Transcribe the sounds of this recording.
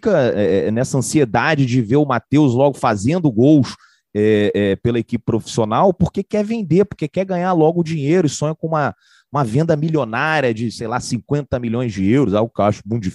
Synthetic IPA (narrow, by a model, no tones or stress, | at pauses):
fikɐɛɛnɛsɐɐ̃sied̪ad͡ʒɪd͡ʒɪveɾʊmat̪ewzlɔɡʊfazẽnd̪ʊɡows | ɛɛpelɐekipɪ̥pɾofi̥sionawpoɾkekɛvẽnd̪epoɾkekɛɡɐ̃ɲaɾlɔɡʊd͡ʒĩɲejɾʊɪsõɲɐkõũmɐ | ũmɐvẽnd̪ɐmilʲjonaɾiɐd͡ʒɪsejlasĩŋkwẽnt̪ɐmiʎõj̃zd͡ʒɪewɾʊzaʊkaʃʊbũd͡ʒif